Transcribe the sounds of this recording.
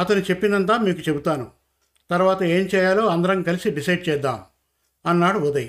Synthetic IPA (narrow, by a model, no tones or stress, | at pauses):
ɐt̪ɐnut͡ʃe̞pːinɐnt̪̬aːmiːkut͡ʃe̞but̪aːnu | t̪ɐɾʋaːt̪ɐe̞ːmt͡ʃɛːjaːlo̞ːɐnd̪ɐɾɐŋikɐlisiɖisɐjɖ̚t͡ʃɛːd̪ːaːm | ɐnːaːɽuud̪ɐji